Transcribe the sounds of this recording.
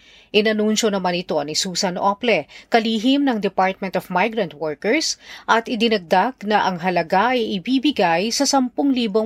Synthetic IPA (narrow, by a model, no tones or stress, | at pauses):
ʔɪnɐnunʃo̞nɐmanɪt̪o̞nɪsuːsɐnʔoplɛkɐliːɦɪmnɐŋd̪ɛpaɹt̪̚mɛnt̪ofmajɡɾɐ̃nt̪̚wɔɹkɛɹsʔɐt̪ʔɪd̪ɪnɐɡ̚d̪aɡnɐʔɐŋɦɐlɐɡaʔɐjʔɪbiːbɪɡajsɐsɐmpoŋliːbo